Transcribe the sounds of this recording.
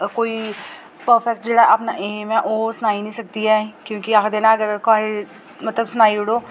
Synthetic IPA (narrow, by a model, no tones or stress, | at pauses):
koːi | pəɾfʰɛk̚ʈ̚d͡ʒeːɽaɦɛɐpnaʔeɦmɦɛʔoːsʊnaːinɐ̃ĩsɐk̚t̪iɦɛːkjõːkiakʰd̪enaɐɡəɾkaːɦe | mɐt̪ləbsʊnaːiʊɽoː